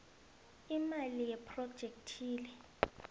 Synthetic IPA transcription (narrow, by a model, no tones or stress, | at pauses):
imalijɛpʰrɔd̥ʒ̥ʱek̚tʰiːlɛ